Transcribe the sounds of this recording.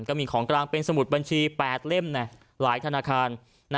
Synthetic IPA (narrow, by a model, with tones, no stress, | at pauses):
nkɔ˥˩miː˧˩kʰɔː˩˦ŋklaː˧ŋpe˧nsa˧mu˨˩t̪̚ba˧nt͡ɕʰiː˧pɛː˨˩t̪̚le˥˩mnɛ˧˩ | laː˩˦jt̪ʰa˧naː˧kʰaː˧nː˧